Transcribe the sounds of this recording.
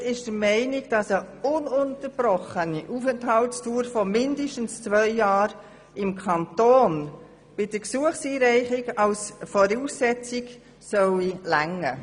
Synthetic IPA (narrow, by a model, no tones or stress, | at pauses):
ɪʃd̥əɾmɛɪnɪɡ̥d̥ɑsəʊnʊntəɾb̥ɾɔχəniʔufɛnthɑltstuːɾfɔmɪndəʃtn̩st͡svœɪjɑːɾ | ɪmkʰɑntoːn | b̥ɪd̥əksuəχsiːɾɛɪχɪɡɑlsfɔɾuːsːɛt͡sɪɡ | sœwilæŋːə